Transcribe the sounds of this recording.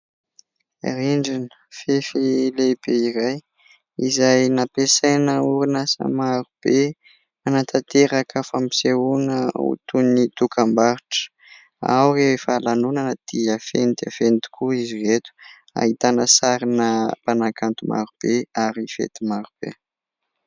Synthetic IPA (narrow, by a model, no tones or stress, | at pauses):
ḛriɳɖ͡ʐinəfefileb̥eiɾaj | izajnapesajnəuɾinasa̰maɾub̥e | anat̪ʰat̪eɾakʰəfampi̥seunəṵt̪unit̪ukʰambaɾiʈ͡ʂə̥ | a̰wrewefalanunanəd̪̥iafenid̪iafent̪i̥kʰuiziret̪u̥ | a̰ɦit̪anəsaɾinəpanakant̪uma̰ɾub̥eaɾifḛt̪imaɾub̥ḛ